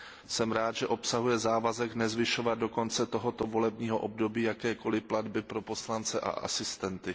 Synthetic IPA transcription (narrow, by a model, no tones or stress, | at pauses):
sɛmɾaːt̪ʒ̥ɛʔo̞psaɦujɛzaːvazɛknɛzvɪʃo̞vad̪̚do̞ko̞nt͡sɛt̪o̞ɦo̞t̪o̞vo̞lɛbɲiːɦo̞ʔob̚do̞biːjakɛːko̞lɪpladbɪpɾo̞po̞slant͡sɛʔa̰ʔa̰sɪst̪ɛnt̪ɪ